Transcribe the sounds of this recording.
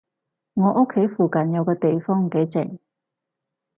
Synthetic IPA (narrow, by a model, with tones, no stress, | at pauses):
ŋɔː˨˧˥ʔʊ˥kʰːe˨˥jfuː˨˩kɐ˨njɐ˨˧wkɔː˧t̪e˨jfɔː˥ŋke˨˥jt͡sɪ˨˩ŋ